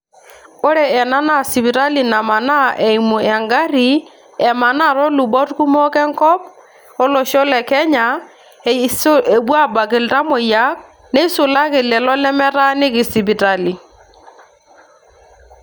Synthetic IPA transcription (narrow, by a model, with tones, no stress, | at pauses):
o˦ɾɛ˨ɛ˨na˦na˦˨si˨βi˨ɾa˦li˨na˨ma˨na˦ʔɛ˨i˨mu˨ɛ˨ŋɡa˦ɾi˨ | ɛ˨ma˨na˦˨ɾɔ˦lu˨bɔ˦tu˦ku˦mɔ˦kɛ˦ŋkɔ˦p | ɔ˦lɔ˨ʃɔ˦lɛ˨kɛ˦ɲa˨ | se˨bwa˦ba˨ke˨lta˦mɔ˨ja˨˦k̚ | nɛ˦i˦sʊ˨la˦ke˨lɛ˨lɔ˦lɛ˦mɛ˦ɾa˦nɪ˦kɪ˨si˨bi˨ta˨li˨